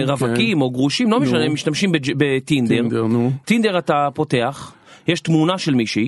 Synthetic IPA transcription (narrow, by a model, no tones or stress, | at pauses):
ʁavakimo̞ɡʁuʃimlo̞meʃanemːiʃtamʃimbed͡ʒbet̪ind̪eʁt̪ind̪e̞ʁatapo̞te̞aχ | jeʃtmunaʃe̞lmiʃi